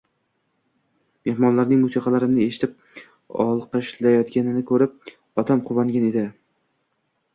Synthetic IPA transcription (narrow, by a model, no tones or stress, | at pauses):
me̞hmɒnlaɾnɪŋmʊsiqʰɑlaɾɪmnɪeʃɪ̥t̪ʰɪp̚ | ɒ̰lˠqʰɨʃlajɒt̪ɡʲanɪnɪkʰɵɾɪp̚ | ɒt̪ʰamqʰʊvaŋɡʲane̞d̪ɪ